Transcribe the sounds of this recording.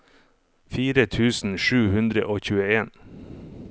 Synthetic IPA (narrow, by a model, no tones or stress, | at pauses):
fiːɾət̪ʰʉːsn̩ʃʉːhʉnd̪ɾəʔoːçʉːəeːn